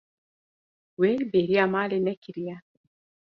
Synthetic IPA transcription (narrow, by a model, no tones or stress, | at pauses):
welbeɾiamalenɛkiɾia